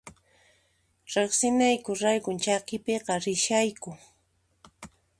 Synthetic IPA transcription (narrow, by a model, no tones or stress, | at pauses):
ɾeχsɪnajkʊɾajkʊnt͡ʃakɪpeqɑɾɪʃajkʊ